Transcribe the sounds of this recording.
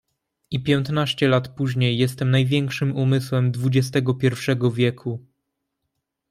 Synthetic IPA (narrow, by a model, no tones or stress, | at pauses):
ipʲjɛnt̪naɕt͡ɕɛlat̪puʑɲejːɛst̪ɛmnajvʲjɛŋkʂɘmumɘswɛmd̪vud͡ʑɛst̪ɛɡɔpʲjɛɾfʂɛɡɔvʲjɛkʰu